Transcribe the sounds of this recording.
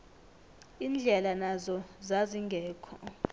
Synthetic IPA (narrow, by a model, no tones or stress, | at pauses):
iːnd͡ɮʱɛlanazɔzaziŋɡʱɛːkʰɔ